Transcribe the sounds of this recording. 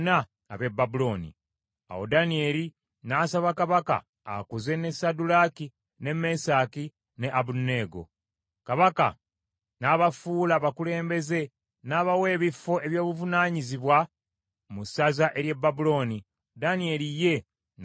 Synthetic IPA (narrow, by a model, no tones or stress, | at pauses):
na̰ː | βe̞bːabulo̞ːnḭ | a̰wo̞̰danie̞ːli | naːsaβakaβaka̰ː | kuze̞ne̞sadulaki | ne̞me̞saːki | ne̞ʔaβunːe̞ːɡo̞̰ | kaβaka̰ | naːβafuːlaβakule̞ːmbe̞ze̞ | naːβawe̞ːβifo̞ʔe̞βjo̞ːβuvunaːɲiziβwa | musazaʔe̞ɾje̞bːabulo̞ːni | danie̞ɾije̞